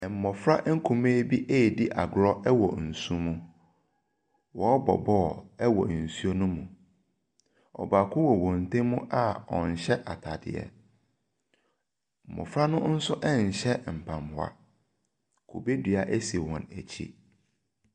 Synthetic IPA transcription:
ɛ˨m̩˨mɔ˨fɾa˦ʔŋ̩˦kʰũ˨me˦bi˦ʔe˦˨di˦ʔa̰˨ɡʊ˨ɾɔ˦ɛ˦wɔ̰˨n̩˨sũ˦mũ˦ | wɔ˨˦bɔ̰˨bɔː˦˨ɛ˦wɔ˨n̩˨su˦o˦nũ˦mũ˨ | ɔ̰˨ba˨kʰʊ̃˦wɔ˨wɔ̃˨n˨tʰẽ˦mʊ̃˦ʔa˦ɔ̰˨n˨ɕɛ˦ʔa˨tʰa˨dɪ̰˨ɛ̰˦ | m̩˨mɔ̰˨fɾa˦nʊ̃˦n̩˦sʊ˦ʔɛ˦n̩˨ɕɛ˦m̩˨pʰã˨mhʊ˨a̰˨ | kʰṵ˨be˦dɥa˨ʔæ˦si˨wɔ̃˨næ̰˨t͡ɕʰḭ˦

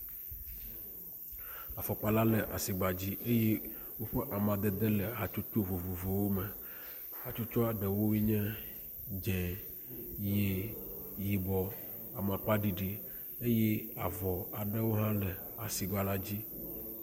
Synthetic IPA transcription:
a˨fɔ˨k͡pa˦la˦le˨ʔa̰˨si˨ɡ͡ba˨d͡ʑi˦ʔe˦je˦wo˦ɸe˦ʔa˨mã˨d̪e˨d̪e˦le˨ɦa˨t͡ʃu˦t͡ʃo˦vo˨vo˨vo˨wo˦mɛ˨ | ɦa˨t͡ʃu˦t͡ʃɔ˦a˨ɖɛ˨wo˦wi˦ɲɛ̃˦ | d͡ʒɛ̃˨ | je˨ji˨bɔ˨a˨mã˨k͡pa˦ɖi˨ɖi˨ | e˦je˦a˨vɔ˨a˨ɖe˦wo˦ɦã˦lɛ˨ | a˨si˨ɡ͡ba˨la˦d͡ʑi˦

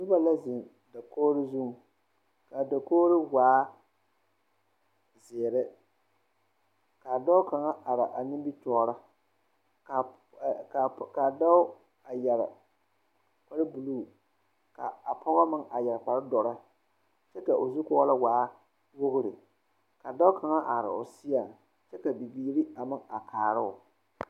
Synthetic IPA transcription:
nʊ˦ba˦la˦zɪ˨n | da˨koː˦ɾɪ˦zu˦ŋ˨ | ka˨da˨koː˦ɾɪ˦waː˨˦ | zɪː˨ɾɪ˦ | ka˨da˦ʊ˦ka˨ŋa˦ʔa˨ɾa˨ʔa˨nɪ˦m˦bi˦tɔː˨˦ɾa˦ | ka˨ | ka˨da˦ʊ˦ | a˨jɛ˨ɾɪ̰˨ | k͡pa˨ɾɪ˦bu˨luː˦˨ | ka̰˨a˨pʰɔ˦ɣɔ˦mɪ˦ŋa˨jɛ˨ɾk͡pa˨ɾɪ˦dɔ˨ɾa˦ | t͡ʃɛ˦ka˨ʔo˨zu˦kɔ˦la˦waː˨˦ | wo˦ɣʊ˦ɾɪ˨ | ka˨da˦ʊ˦kʰa˨ŋa˦ʔa˨ɾɪ̰˨ʊ̰˨sɪ˦a˨ | t͡ʃɛ˦ka˨bi˨biː˨˦ɾi˦a˨mɪ˦ŋa˨kʰaː˨ɾɪ˦ʊ̰˨

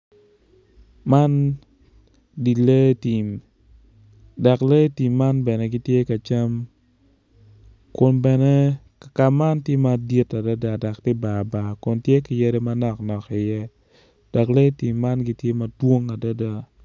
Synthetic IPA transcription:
ma˦n | di˨le˦ti˨m | dɔ˨kle˦ti˨mːa˦nbɛ˨nɛ˨ɡɪ˦tje˦ka˨t͡ʃa˦m | kʊ˨nbɛ˨nɛ˦ | ka˨ma˦ntje˦ma˨di˦ta˨da˦da˦˨dɔ˨ktɪ˦ba˨ba˨kʊ˨ntje˦ki˨je˦ɾe˦ma˦nɔ˦˨knɔ˨kɪ˨jɛ˦ | d̥ɔ˨kle˦ti˨mːa˦nɡi˦tje˦ma˨two˦ŋa˨da˦da˦

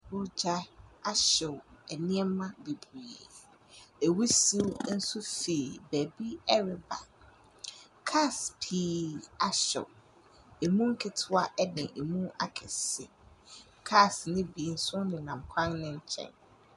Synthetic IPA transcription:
bʊ˦d͡ʑa˦a˦ɕɪ˨ɛ˨nĩ˦ɛ˦mã˦be˨bi˨ | e˨wu˦si˦n̩˦sʊ˦fe˨bæ˨bi˦ɛ˦ɾɪ˨ba̰˨ | kʰa˦spʰiː˦a˦ɕɪ̰˨ | e˨mũ˦ŋ̩˦kʰɪ˨tʰʊ˦a˦ʔɛ˦dɪ̃˨ʔe˨mũ˦a̰˨kʰɪ˨sɪ˨ | kʰa˦snɪ̃˦bi˨n̩˦sʊ̃˦nɪ̃˨nã˨mkʷʰã˦ŋnɪ̃˨ɲ̩˨t͡ɕʰɛ̰̃˨n

